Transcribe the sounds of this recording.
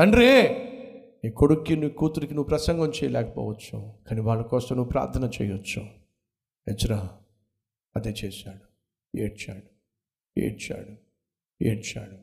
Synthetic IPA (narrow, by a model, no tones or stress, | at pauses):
ɐnɾeː | ikoɽukːinukuːt̪uɾikinuʋupɾɐsɐŋɡɐmt͡ʃɛːjɐlɛːkɐ̥pɔ̰ːʋɐt͡ʃːukaːniʋaːɭːɐkɔːst̪ɐmnuʋupɾa̰ːɾt̪ʰɐnɐt͡ʃɛ̰ːjʋɐt͡ʃːa | et͡ʃːɐɾa | ɐd̪eːt͡ʃɛːsaːɽu | ḛːɽt͡ʃa̰ːɽu | ḛːɽt͡ʃa̰ːɽu | ḛːɽt͡ʃaːɽu